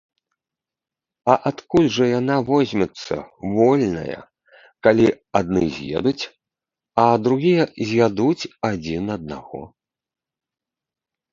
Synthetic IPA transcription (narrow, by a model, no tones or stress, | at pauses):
ɐʔat̪kulʲʐɐjanavɔzʲmʲɛt̪sːɐ̰vɔlʲnɐ̰jɐ̰ | kalʲi | ad̪̚nɨzʲjɛ̰d̪ut͡sʲ | ɐd̪ɾuɣʲijɐzʲjad̪ut͡sʲad͡zʲinɐd̪̚naɣɔ̰